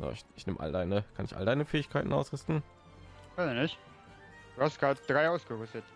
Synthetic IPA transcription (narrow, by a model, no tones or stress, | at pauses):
ja̰ːɪçɪçnɪmʔa̰ldaɪnəkʰanɪçʔa̰ldaɪnəfɛːɪçkʰaɪtn̩ʔa̰ʊsʁʏstn̩ | azənɪçt | d̥uːhastɡ̥ʁaːdəd̥ʁaɪaʊsɡ̥əʁʏstət